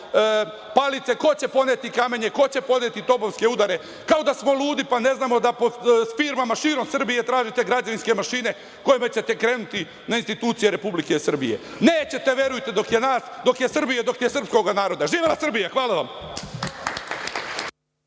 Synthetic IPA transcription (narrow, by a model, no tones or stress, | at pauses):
palit̪se̞ko̞t͡ɕe̞po̞neːt̪ikame̞ɲeko̞t͡ɕe̞po̞d̪et̪it̪o̞boʋske̞ud̪aɾe̞ | kaod̪asmo̞lˠuːd̪ipane̞znaːmo̞d̪apofiɾmamaʃiɾo̞msr̩bije̞t̪ɾaːʒit̪e̞ɡɾad͡ʑaʋinske̞maʃiːne̞ | ko̞jimet͡ɕe̞t̪e̞kɾe̞ːnut̪i | nainst̪it̪uːt̪sije̞ɾe̞publike̞sr̩bḭje̞̰ | neːt͡ɕe̞t̪e̞ʋje̞ɾujt̪e̞d̪o̞kjenaːsd̪o̞kjesr̩bijed̪o̞k̪ijesɨr̩psko̞ɡanaːɾo̞d̪aʒiːʋelasr̩bijaxʋaːlˠaʋam